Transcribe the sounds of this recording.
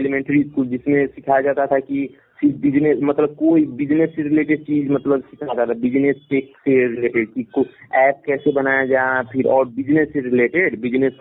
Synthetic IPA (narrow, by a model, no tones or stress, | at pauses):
ɛlimɛ̃ɳʈɾiskuld͡ʒɪsmẽsɪkʰad͡ʒaːt̪at̪ʰaki | sɪbɪd͡ʒnesmɐt̪ləb̚koːibɪd͡ʒnesːeɾɪleːʈeɖ̚t͡ʃiːd͡ʒmɐt̪ləbsɪkʰad͡ʒaːt̪ʰabɪd͡ʒnesʈeːkseɾɪleːʈeɖ̚kikoɛːp̚kɛːsebɐnajad͡ʒaepʰɪɾɔ̰ːɾbɪd͡ʒnesːeɾɪleːʈeɖbɪd͡ʒnes